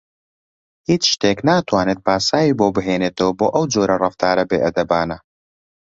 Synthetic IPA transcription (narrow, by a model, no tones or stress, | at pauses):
hiːt͡ʃʃt̪eːknaːt̪waːnet̪̚paːsaːjiːboːbɨɦeːneːt̪ʰɐwɐboːʔɐwd͡ʒoːɾɐrɨft̪ʰaːɾɐbḛːʔɐd̪ɐbaːnɐ